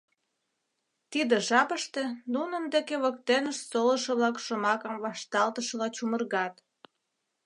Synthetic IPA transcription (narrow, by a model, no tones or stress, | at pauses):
t̪id̪ĕʒɑpəʃt̪ĕnunənd̪ekeβək̚t̪enəʃsolə̆ʃə̆βlɑkʃŏmɑkəmβɑʃt̪ɑlt̪əʃəlɑt͡ɕumərɣɑt̪